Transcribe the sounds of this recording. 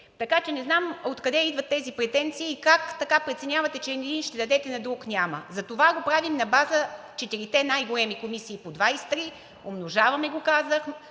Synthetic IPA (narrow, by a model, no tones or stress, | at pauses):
t̪ɐkat͡ʃɛnɛznamot̪kɐd̪ɛid̪vɐt̪ːɛzipɾɛt̪ɛnt̪siːkakt̪ɐkapɾɛt̪sɛnʲavɐt̪ɛt͡ʃɛnɛd̪inʃt̪ɛd̪ɐd̪ɛt̪ɛnɐd̪ɾuknʲaməzɐt̪ovaɡopɾavimnɐbazə | t͡ʃɛt̪iɾit̪ɛnajɡolɛmikomisiːpod̪vajst̪ɾi | omnoʒavɐmɛɡokazəx